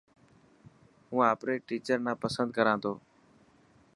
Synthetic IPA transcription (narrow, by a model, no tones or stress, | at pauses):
ɦũːaːpɾeːʈiːt͡ʃəɾnãːpəsənd̪̚kəɾãːt̪ʰoː